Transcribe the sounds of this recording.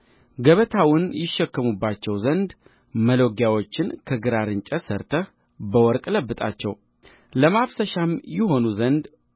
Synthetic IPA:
ɡəβət̪ʰawʊnjɪʃːɛkːəmubːat͡ʃːɛwzənd̪ | məlo̞ɡjawo̞t͡ʃːɪnkʰəɡɨɾaɾɨnt͡ʃʼəsəɾt̪ʰəh | bəwɔɾkʼləbːɨt̪ʼa̰t͡ʃːɛw | ləmafsəʃamjɪho̞nuzənd̪

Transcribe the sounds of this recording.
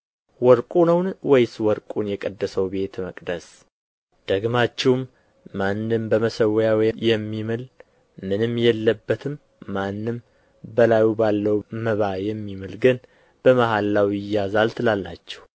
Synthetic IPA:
wɔɾkʼunəwnwɔjswɔɾkʼunjɛkʼəd̪ːəsəwbe̞t̪məkʼd̪əs | d̪̥əɡmat͡ʃːɛwmː | anːɨmbəməsəwjawjjɛmːimɨl | mɨnɨmːjɛlːəbːət̪ʰɨmː | anːɨm | bəlajubalːəwməβajɛmːimɨlɡɨn | b̥əmaɦalːawjɪjazalt̪ʰɨlalːa̰t͡ʃːɛ̥w

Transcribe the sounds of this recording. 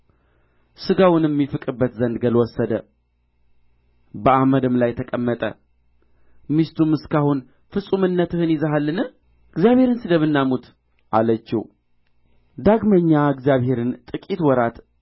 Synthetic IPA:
sɨɡawʊnɛmːifɨkʼɨbːət̪zənd̪ɡəlwɔsːəd̪ə | bəaməd̪ɨmlajt̪ʰəkʼəmːət̪ʼə̰ | mist̪ʰumɨskʰahun | fɨsʼumɨnːət̪ɨhɨnɪzəɦalːɨnɨ | ɨɡzijaβhe̞ɾɨnsɨd̪əβɨnːamut̪ | ʔalət͡ʃːḭw | d̪aɡməɲːaɨɡzjaβhe̞ɾɨnt̪ʼɨkʼit̪wɔɾat̪

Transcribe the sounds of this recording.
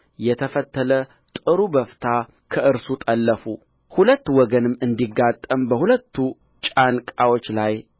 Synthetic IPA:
jɛt̪ʰəfət̪ːələ | t̪ʼɨɾubəft̪ʰa | kʰəʔɨɾsut̪ʼəlːəfu | hulət̪ːwɔɡənɨmːɨnd̪iɡat̪ʼːəmbəhulət̪ʰːu | t͡ʃʼankʼawo̞t͡ʃːlaj

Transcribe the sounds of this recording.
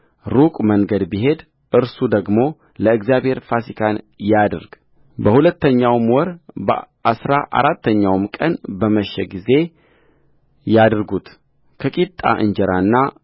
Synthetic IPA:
ɾukʼməŋɡəd̪biɦe̞d̪ | ʔɨɾsud̪əɡmo̞ | ləɨɡzjabhe̞ɾfasikʰan | jad̪ɨɾɡ̥ | bəhulət̪ːəɲːawmwɔɾbəʔasɾaʔa̰ɾat̪ʰːəɲːawmkʼənbəməʃːɛɡize̞ | jad̪ɾɡut̪ | kʰəkʼit̪ʼa̰ʔɨ̰ɲd͡ʒɛɾanːa

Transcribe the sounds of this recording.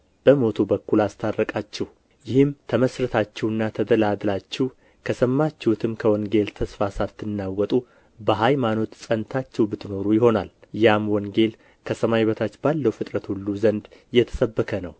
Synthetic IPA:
b̥əmo̞t̪ʰubəkːulast̪ʰarːəkʼat͡ʃːɛh | jɪhɨmt̪ʰəməsɾət̪ʰat͡ʃːɛwɨnːat̪ʰəd̪əlad̪lat͡ʃːɛw | kʰəsəmːat͡ʃːɛhut̪ʰɨmkʰəwɔŋɡe̞lt̪ʰəsfasat̪ːɨnːawːɔt̪ʼu | bəɦajmano̞t̪sʼənt̪ʰat͡ʃːɛwbɨt̪ʰːɨno̞ɾujɪho̞naljamwɔŋɡe̞l | kʰəsəmajβət̪ʰat͡ʃːbalːəwfɨt̪ʼɾət̪hulːuzənd̪jɛt̪ʰə̥səbːəkʰənəw

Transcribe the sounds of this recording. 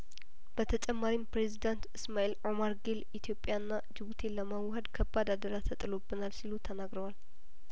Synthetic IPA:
b̥ət̪ʰət͡ʃʼɛmːaɾimpɾe̞zid̪ant̪ɨsmaelʔo̞maɾɡelit̪ʰjo̞pʼjanːad͡ʒɨβut̪ʰe̞ləmawhəd̪kʰəbːad̪ad̪əɾat̪ʰət̪ʼɨlobɨnalsilut̪ʰənaɡɾəwal

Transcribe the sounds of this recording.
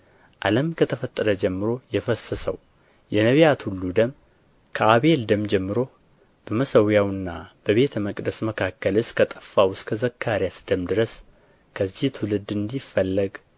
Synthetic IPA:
ʔa̰ləmkʰət̪ʰəfət̪ʼːəɾəd͡ʒɛmːɨɾo̞jɛfəsːəsəw | jɛnəβjat̪hulːud̪əm | kʰəaβe̞ld̪əmd͡ʒɛmːɨɾo̞ | b̥əməsəwjawɨnːa̰b̥əβe̞t̪ʰəməkʼd̪əsməkʰakʰːəlɨskʰət̪ʼə̥fːawʊskʰəzəkʰːaɾjasd̪əmd̪ɨɾəs | kʰəzːiht̪ʰulɨd̪ɨnd̪ifːəlːəɡ

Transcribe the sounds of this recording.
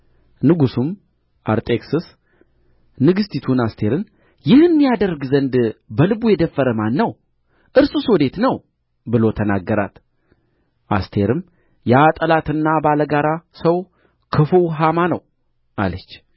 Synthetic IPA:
nɨɡusum | ʔa̰ɾt̪ʼeksɨs | nɨɡɨst̪ʰit̪ʰunast̪ʰe̞ɾɨn | jɪhɨnːijad̪ərɡzənd̪bəlɨbujɛd̪əfːəɾəmanːəw | ʔɨɾsusod̪e̞t̪nəw | bɨlo̞t̪ʰənaɡːəɾa̰t̪ | ʔa̰st̪ʰe̞ɾɨm | jat̪ʼəlat̪ɨnːabaləɡaɾasəw | kʰɨfuwɦamanəw | ʔa̰lət͡ʃː

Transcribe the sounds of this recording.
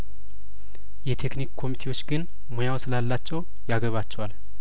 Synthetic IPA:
jɛt̪ʰe̞knikkʰːo̞mit̪ʰe̞wo̞t͡ʃːɡɨn | mojawsɨlalːat͡ʃːɛw | jaɡəβat͡ʃːɛwal

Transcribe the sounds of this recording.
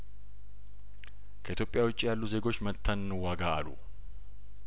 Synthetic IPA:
kʰəʔit̪jo̞pʼːjawʊt͡ʃʼːijalːuze̞ɡo̞t͡ʃːmət̪ʰːənɨnɨwaɡaːlṵ

